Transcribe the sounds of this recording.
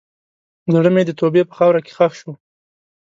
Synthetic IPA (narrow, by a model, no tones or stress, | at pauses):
zaɽəmed̪ət̪obepə̥xɑwɾake̥xaxʃu